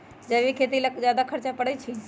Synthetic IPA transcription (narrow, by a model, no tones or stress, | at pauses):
d͡ʒɐʋikʰeːt̪̬ilazjaːd̪akʰɐɾt͡ʃapəɽət͡ʃʰi